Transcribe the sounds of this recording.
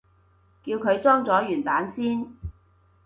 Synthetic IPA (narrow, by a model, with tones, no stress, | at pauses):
kiː˧wkʰɵ˨˧ɥt͡sɔː˥ŋt͡sɔː˨˥jyː˨˩nt̪aː˨˥nsiː˥n